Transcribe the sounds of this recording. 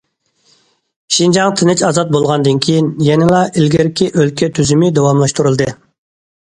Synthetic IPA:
ʃind͡ʒɑŋt̪ʰɨnɪt͡ʃɑzɑt̪̚bolˠʁɑnd̪ɨnkʲʰijinjɛnɪlˠɑʔɪlɡʲɛɾkʲiʔølkʲʰɛt̪ʰyzymɪd̪ewɑmlˠɑʃt̪uɾulˠd̪ɨ

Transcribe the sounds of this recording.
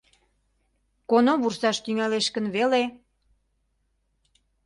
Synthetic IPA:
konoβursɑʃt̪yŋæleʃkə̆nβele

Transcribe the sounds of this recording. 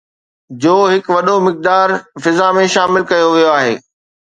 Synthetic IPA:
d͡ʑoːɦɪkʋɐɗomɪk̚d̪aːɾfɪzamẽʃaːmɪlkɐjoʋijoaːɦḛː

